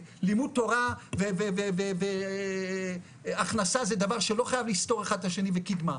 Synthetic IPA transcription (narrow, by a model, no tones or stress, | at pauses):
limud̪̚tːo̞ʁaveveveveve | aχnasazed̪avaʁʃelo̞χajavlist̪o̞ʁaχad̪laʃe̞nivekid̪ma